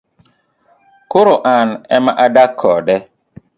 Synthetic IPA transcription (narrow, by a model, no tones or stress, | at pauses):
kʊɾoʔanɛmaʔadakʰːɔdɛ